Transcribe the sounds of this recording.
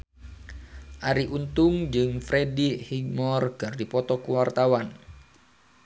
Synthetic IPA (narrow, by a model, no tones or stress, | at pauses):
ʔaɾiʔunt̪ʊŋd͡ʒɨŋfɾedihiɡ̚mɔrɡ̥ardipɔt̪ɔkuwart̪awan